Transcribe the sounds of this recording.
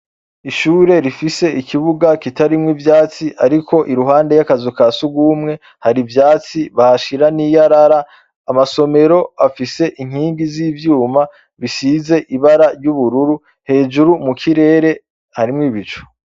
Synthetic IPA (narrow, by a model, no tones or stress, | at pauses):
iʃuːɾe̞ɾifise̞ikʰiβuɡakitaɾimŋivjaːt͡siʔaɾikʰo̞ʔiɾuɦaːnde̞jakazukasuɡwuːmŋe̞ | haɾivjaːt͡siβahaʃiɾanijaɾaɾa | amaso̞me̞ɾo̞afise̞ʔiŋ̥hiːŋɡiziːvjuːma | βisize̞ʔiβaɾaɾjuβuɾuɾu | he̞ːd͡ʒuɾumukʰiɾe̞ːɾe̞ | haɾimŋiβit͡ʃo̥